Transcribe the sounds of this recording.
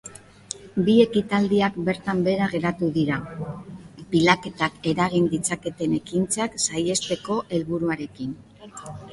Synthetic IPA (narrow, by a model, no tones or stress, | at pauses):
bie̞kit̪ald̪iakbe̞ɾt̪ambe̞ɾaɣe̞ɾat̪uðiɾa | bilake̞t̪ake̞ɾaɣind̪it͡sake̞t̪e̞ne̞kint͡saksaje̞st̪e̞ko̞ʔe̞lβuɾuaɾe̞kin